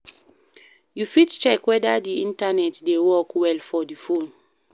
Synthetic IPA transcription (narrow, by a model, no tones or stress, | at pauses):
jufitt͡ʃɛkwɛdadiĩntanɛtdewɔkwɛlfɔdifõn